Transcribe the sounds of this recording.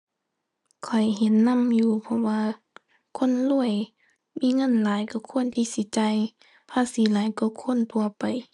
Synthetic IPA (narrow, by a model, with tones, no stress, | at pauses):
kʰɔ˨˩jɦe˨˦nːa˧˥˨mjuː˧˩pʰɔ˧waː˧ | kʰo˧˥˨nlu˧˩əj | miː˧˥˨ŋɤ˧˥˨nlaː˨˦jkɔ˧˩kʰu˧˥ə˨nt̪ʰiː˧˨si˨˦t͡ɕa˧˨j | pʰaː˧˨siː˨˦laː˨˦jkɔ˧˩˦kʰu˧˥˨nt̪ʰu˧˨ɐpa˨j